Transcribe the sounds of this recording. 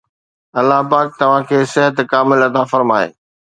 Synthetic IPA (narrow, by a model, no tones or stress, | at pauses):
ɐlːaɦpaːk̚t̪ɐʋ̤ãkʰeːsɪɦət̪kaːmɪlɐt̪afɐɾmaːḛː